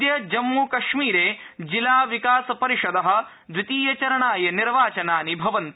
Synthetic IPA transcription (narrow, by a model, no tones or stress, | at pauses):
jɐd͡ʒɐmːuːkɐʂmiːɾeː | d͡ʒilaːʋikaːsɐpɐɾiʂɐd̪ɐɦɐ̆ | d̪ʋit̪iːjɐt͡ʃɐɾɐɳaːjɐniɾʋaːt͡ʃɐnaːnibʱɐʋɐnt̪